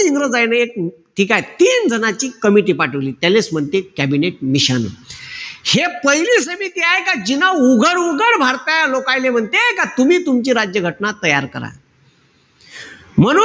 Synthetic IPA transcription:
iŋɡɾəd͡zajnəek̚ʈʰikajt̪iːnd͡zʱənat͡ɕiːkəmiʈ̬iːpaʈʰəʋliːt̪jalesm̤əɳt̪ekæbineʈ̚miɕən | hepəɦiliːsəmit̪iːaɦekad͡ʑinauɡʱəɽuɡəɽbʱaɾt̪ajalokajlem̤əɳt̪ekat̪umiːt̪umt͡ɕiːɾad͡ʑjəɡʱəʈnat̪əjaɾkəɾa̰ | m̤əɽ

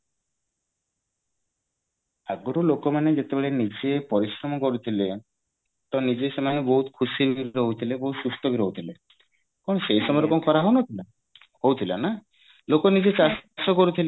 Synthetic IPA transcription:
aɡɔɾulokɔmaned͡ʒet̪ebeɭenid͡ʒepɔɾisɾɔmɔkɔɾut̪ʰile | ʈɔnid͡ʒesemanebɔɦut̪kʰusibiɾɦowt̪ʰilebɔɦut̪sust̪ɔbʱiɾɦout̪ʰile | kɔɳ̃ɔsejsɔmɔɾɔkɔmɔkɔɾaɦownɔtʰla | howt̪ʰilana | lokɔnid͡ʒet͡ʃassɔkɔɾut̪ʰile

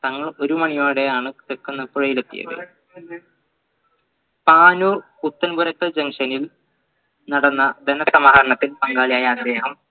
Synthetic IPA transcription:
t̪ɐŋːɐɭo̞ɾumɐɳijaːɽe̞jaːɳɨt̪ekːunːɐpuɻɐjilet̪ːḭjɐ̰ɣɐ̰ | paːnuːrput̪ːɐnbuɾɐkːɐd͡ʑɐŋʂɐnil | nɐɽɐnːɐd̪ɐnɐsɐmaːɐɾɐɳɐt̪ːilpɐŋɡaːlijaːjɐːd̪e̞ːɦɐm

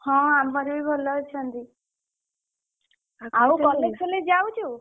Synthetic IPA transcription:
hɔ̃ambɔɾubibʱolːɔt͡ʃʰʌnd̪i | aũkɔlesɔled͡ʒawt͡ʃʰu

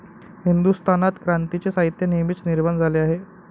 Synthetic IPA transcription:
hind̪ust̪ʰanat̪kɾant̪it͡sesaɦit̪jənimiːt͡sniɾmənd͡zʱaleaɦe

